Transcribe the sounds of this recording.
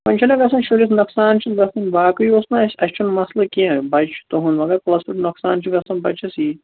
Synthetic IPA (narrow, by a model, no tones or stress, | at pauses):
pɐnʲt͡ʃʰɐlɐɡɐsɐnʃulis̬nɐksaːnt͡ʃʰit̪ɡɐst̪ɐnbaːkɨjosnɐɐsʲt͡ʃʰunmɐslɐkiɐ̃bɐt͡ʃʰi̥t̪oɦunʋɐɡɐɾplɐspiʈnɐksaːnt͡ʃʰiɡɐst̪ɐnbɐt͡ʃʰɐsiː